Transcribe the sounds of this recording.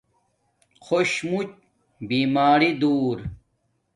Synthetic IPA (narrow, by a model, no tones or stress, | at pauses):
xʰoɕmut͡ɕ | biːmaːɾid̪uːɾ